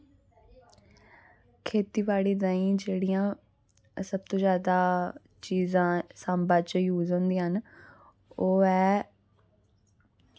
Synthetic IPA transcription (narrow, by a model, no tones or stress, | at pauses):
kʰeːt̪iːʋaːɽiːd̪ãːĩːd͡ʒeːɽijãː | səb̚t̪õːzjaːd̪aː | t͡ʃiːzãːsambãːt͡ʃjuːzoʊ̃nd̪ĩɦən | oːɛː